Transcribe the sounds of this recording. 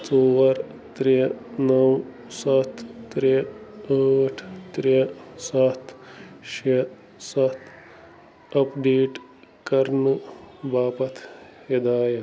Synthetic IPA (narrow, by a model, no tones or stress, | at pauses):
t͡soːʋɐɾ | t̪ɾenɐw | sɐt̪ʰːɾeəʈʰt̪ɾesɐt̪ʰʃe | sɐt̪ʰ | ɐpɖeːʈ | kɐɾnubaːpɐt̪ʰed̪aːjɐ